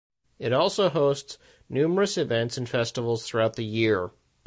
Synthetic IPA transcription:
ɨɾɔlˠsoʊɦoʊsts | nʉmə˞ɨsɨvɛ̃ntsn̩fɛstəvl̩ˠz̥θɹuaʊt̪̚ðɨjɪɹ

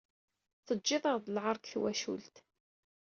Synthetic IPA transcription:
θəd͡ʒːɪðˤɑɾðˤlʕɑɾˤkθwæʃṵlt̪

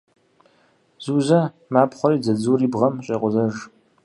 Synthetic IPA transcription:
z̥uːzɐ | maːpχʷɔɾiːd͡zɐd͡zuːriːbʁɐmɕʼeqʷʊzɐʒ

